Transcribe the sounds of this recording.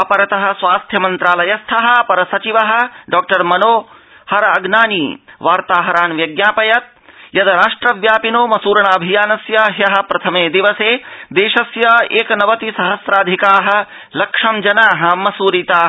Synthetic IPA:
ɐpɐɾɐt̪ɐɦɐ̆sʋaːst̪ʰjɐmɐnt̪ɾaːlɐjɐst̪ʰɐɦɐ̆pɐɾɐsɐt͡ʃiʋɐɦɐ̆ɖaːk̚ʈɐɾmɐnoː | hɐɾɐɐɡnaːniːʋaːɾt̪aːɦɐɾaːnʋjɐɡjaːpɐjɐt̪̚jɐd̪ɐɾaːʂʈɾɐʋjaːpinoːmɐsuːɾɐɳaːbʱijaːnɐsjɐɦjɐɦɐ̆pɾɐt̪ʰɐmeːd̪iʋɐseːd̪eːʃɐsjɐeːkɐnɐʋɐt̪isɐɦɐsɾaːd̪ʱikaːɦɐ̆ | lɐkʂɐmd͡ʒɐnaːɦɐ̆mɐsuːɾit̪aː

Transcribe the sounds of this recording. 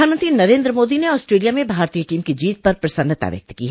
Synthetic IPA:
aːnmə̃nt̪ɾinɐɾẽːnd̪ɾəmoːd̪ineɔːsʈɾeːlijamẽbʱaːɾt̪ijəʈiːmkid͡ʒiːt̪̚pɐɾpɾɐsə̃nd̪ət̪a̰ʋjɐ̰k̚t̪kḭɦɛ

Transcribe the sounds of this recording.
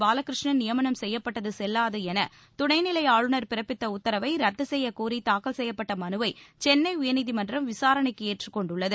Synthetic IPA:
baːlɐkːɪɾɪʂɳɐnɪjɐmɐnɐmsɛjːɐpːɐʈːɐðɯsɛlːaːðɐɛnɐ | t̪ʊɽɐɪnɪlɐɪaːɻɯɳɐɾpɪɾɐpːɪt̪ːɐʊt̪ːɐɾɐʋɐɪɾɐt̪ːɯsɛjːɐkuːɾit̪aːkɐlsɛjːɐpːɐʈːɐmɐnɯʋɐɪt͡ʃɛnːɐɪʊjɐniðimɐndrɐmʋɪsaːɾɐɳɐɪkːɯeːʈrɯkːɔɳɖʊɭːɐðɯ

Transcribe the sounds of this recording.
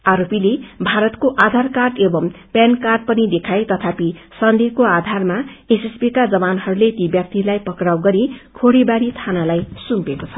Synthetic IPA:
aɾopilebʱaɾʌt̪koʔad̪ʱarkarʈebʌmpjankarɖ̚pʌnid̪ekʰajt̪ʌt̪ʰapisʌnd̪ʱekoad̪ʱarmaesespikad͡zʌbanhʌɾulet̪ibjʌk̚t̪ilajpʌkɾawɡʌɾikʰoɽibaɾit̪ʰanalajsumpekot͡sʰʌ̥

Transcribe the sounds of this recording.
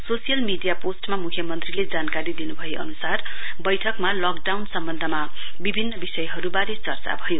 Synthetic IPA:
sosijʌlmiɖijaposʈmamukʰjʌmʌnt̪riled͡zankaɾid̪inubʱʌjeʔʌ̰nusarbʌjʈʰʌkmalʌkɖawnsʌmbʌnd̪ʱʌma | bibʱinːʌbisʌjɦʌɾubaɾet͡sʌrt͡sa̰bʱʌjo

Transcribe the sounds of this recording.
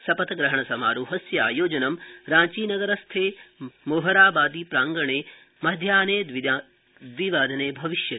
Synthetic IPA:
sɐpɐt̪ɐɡɾɐɦɐɳɐsɐmaːɾuɦɐsjɐaːjoːd͡ʒɐnɐmɾãːɲt͡ʃiːnɐɡɐɾɐst̪ʰeːmoːɦɐɾaːbaːd̪ipɾaːŋɡɐɳeː | mɐd̪ʱjaːneːd̪ʋi | d̪ʋiʋaːd̪ʱɐneːbʱɐʋiʃjɐ

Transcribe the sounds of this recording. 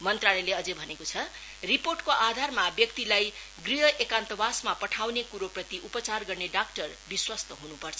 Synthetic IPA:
mʌnt̪raleleʌd͡zebʱʌnekot͡sʰʌ | riporʈkoʔad̪ʱarmabjʌk̚t̪ilaj | ɡriɦʌʔekant̪ʌbasmapʌʈʰawnekuɾoprʌt̪iʔupʌt͡sarɡʌrneɖakʈʌrbiswʌst̪ʌɦunupʌrt͡sʰʌ

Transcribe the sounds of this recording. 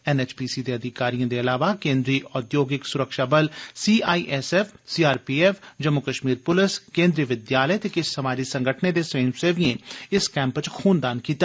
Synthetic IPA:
ɛːnɛːt͡ʃpiːsiːd̪eɐd̪ʱɪkaːɾijãd̪eɐlaːʋakẽːnd̪ɾiːʔɔːd̪joːɡɪksʊɾəkʃaːbəlsiːaːiːʔɛːsɛːfʰsiːaːɾpiːɛːfʰd͡ʒəmʊkəʃmiːɾpʊlɪskẽːnd̪ɾiʋɪd̪jaːləɛt̪ekɪssəmaːd͡ʒisə̃ŋɡʱəʈʰned̪eːseːnseːʋijẽɪskɛ̃ːmpt͡ʃkʰuːnd̪aːnkiːt̪a

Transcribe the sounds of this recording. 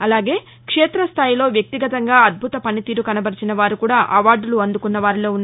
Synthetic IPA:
ɐlaːɡe̞ː | kʂeːt̪ɾɐst̪ʰaːjilo̞ːʋjɐk̚t̪iɡɐt̪ɐŋɡaːɐd̪̚bʱut̪ɐpɐnit̪iːɾukɐnɐbɐɾit͡ʃinɐʋaːɾukuːɽaːʔɐʋaːɾɖuluɐnd̪ukunːɐʋaːɾiloːunː

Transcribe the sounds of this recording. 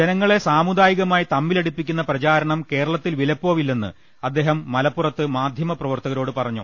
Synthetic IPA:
d͡ʑenɐŋːɐɭe̞saːmud̪aːjiɣɐmaːjit̪ɐmːileɽipːikʲːunːɐprɐt͡ɕaːɾɐɳɐmke̞ːɾɐɭɐt̪ːilʋilɐpːoːʋilːenːɨ̰ | ɐd̪ːe̞ːɦɐmːɐlɐpːurɐt̪ːɨmaːd̪ʱjɐmɐprɐʋɐrt̪ɐɣɐɾo̞ːɽɨpɐrɐɲːṵ

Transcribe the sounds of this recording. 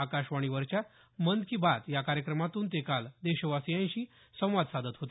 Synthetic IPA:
akaɕʋaɽ̃iʋəɾt͡ɕja | mənd̪̚kiːbat̪jakaɾjəkɾəmat̪uːnt̪ekald̪eɕəʋasijãj̃ɕiː | sə̃w̃ʋad̪sad̪ət̪ɦot̪i

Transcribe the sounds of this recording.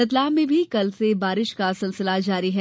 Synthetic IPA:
ɐt̪̬laːmẽbʱikɐlsebaːɾɪʃkasɪlsɪlad͡ʒaːɾiɦɛː

